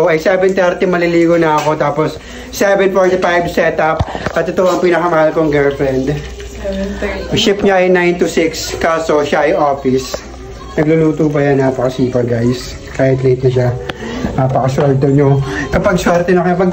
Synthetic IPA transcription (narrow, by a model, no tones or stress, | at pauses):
ɐjsɛbɛnt̪ɛɾt̪ɛmɐlɪliːɡonɐɐko̞t̪aːposː | ɛvɛnpojnt̪fajbsɛt̪ɐp̚ʔɐt̪ːot̪ʊʔoɐŋpinɐkɐmɐhalkoɐŋɡɛlfɾɛnd̪ | ʃɪp̚ɲaʔɐjnajnt̪ʊsɪkskaːsoʃaʔɐjʔoːfɪs | nɐɡ̚luluːt̪uːp̬ɐjanapɐkɐsiːpɐɡajs | kaːhɪt̪let̪̚nɐʃ̬a | apɐkɐswɛlt̪oɲokɐpɐɡ̚swɛɾt̪ɛnɐkoɐpɐɡ